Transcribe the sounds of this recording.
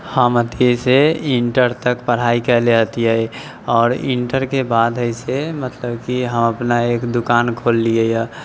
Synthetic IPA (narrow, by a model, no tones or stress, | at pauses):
həməd̪ʱeseɪ̃ɳʈəɾt̪əkpəɽ̤aːikəleət̪iɦɛ | ɔːɾɪ̰̃ɳʈəɾkebaːd̪əɪsemət̪ləbkiɦəməpnaeːkd̪ʊkaːnkʰoːlːiejɛ